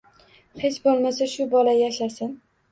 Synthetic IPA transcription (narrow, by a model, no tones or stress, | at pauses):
het͡ʃbolˠmasaʃʊbɒlajaʃasɪn